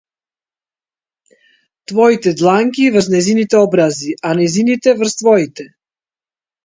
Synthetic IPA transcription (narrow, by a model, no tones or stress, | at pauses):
t̪vɔit̪ɛd̪lˠaŋkʲivəɾznɛjzinit̪ɛɔbɾaziʔanɛjzinit̪ɛvɾst̪vɔit̪ɛ